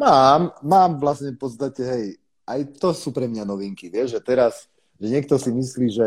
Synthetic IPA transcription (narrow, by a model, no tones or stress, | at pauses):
maːmːaːmʋlasɲɛpɔt̪st̪acɛɦɛj | ʔajt̪ɔsuːpɾɛmɲanɔʋiŋkiʋɪɛʒʒɛt̪ɛɾas | ʒɛɲɛk̚t̪ɔsimisliːʒɛ